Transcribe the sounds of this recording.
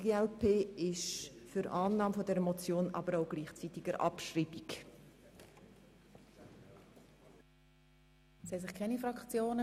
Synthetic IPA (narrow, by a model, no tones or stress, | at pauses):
ɡ̥eːɛlpʰeːɪʃfyɾʔɑːnːɑːmfɔdɛɾəmɔt͡sjoːnɑ̰bəɾaʊɡ̥liːχt͡sit̪ɪɡəɾʔɑ̰pʃriːbik | sɛsɪχkʰɛnifɾɑkt͡sjoːnə